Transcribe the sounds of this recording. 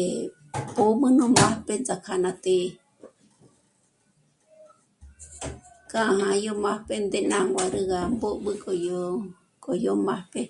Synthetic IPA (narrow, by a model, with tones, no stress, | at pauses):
e | po˦mɨ̃˦nũ˦mã˦pe˦nd͡za˨kʰa˨nã˧t̪e˧ | kã˦ʔa˧hã˧jo˦mã˦hpe˧nd̪e˧nã˦ŋɡʷa˨ɾɨ˦ɣa˨mbo˦ʔɓɨ˦kʼo˨jo | kʼo˨jo˦mã˦hpe˦